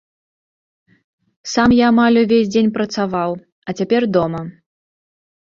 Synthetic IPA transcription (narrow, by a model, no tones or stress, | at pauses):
samjaːmalʲuvʲesʲd͡zʲenʲpɾɐt̪savaw | ɐt͡sʲapʲɛrd̪ɔmɐ